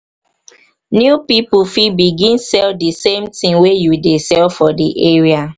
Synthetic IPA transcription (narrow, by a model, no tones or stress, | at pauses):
njupipufibiɡĩnsɛldisẽmtĩŋwejudesɛlfɔdiʔeɹia